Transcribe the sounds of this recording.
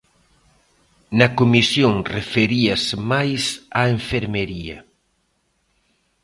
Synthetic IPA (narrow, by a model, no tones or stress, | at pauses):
nɐkomisjoŋrefeɾiasmajsaeɱfeɾmeɾiɐ̰